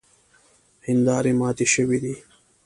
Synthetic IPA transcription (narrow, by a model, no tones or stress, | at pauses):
hind̪ɑːɾimɑːt̪iɕəwid̪iː